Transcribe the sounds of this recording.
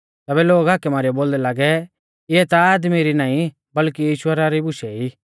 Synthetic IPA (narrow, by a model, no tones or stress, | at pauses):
t̪ɛːbɛloːɡaːkɛmaːɾijɔboːld̪ɛlaːɡɛ | ɪɛt̪aaːd̪miɾinaːĩ | bɐlkijiːʃʊaɾaɾibʊʃɛiː